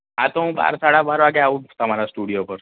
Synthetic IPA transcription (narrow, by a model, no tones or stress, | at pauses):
ɦat̪oɦũba̰ɾsaɽabaɾʋaɡɛaʋũt̪əmaɾasʈuɽijopəɾ